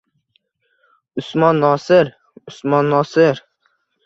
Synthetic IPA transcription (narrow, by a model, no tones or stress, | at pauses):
ʊsmɑnːɒːsɪɾ | ʊsmɒnːɑːsɪɾ